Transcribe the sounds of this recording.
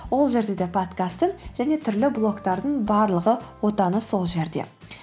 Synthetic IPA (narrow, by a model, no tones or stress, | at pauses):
wo̞lˠʒe̞ɾd̪e̞d̪epʰot̪kast̪ɪŋʒæne̞t̪ʰʏɾlɪblˠo̞kt̪ɑɾd̪əɴbɑɾlˠəʁəwo̞t̪ɑnəso̞lˠʒe̞ɾd̪e̞̰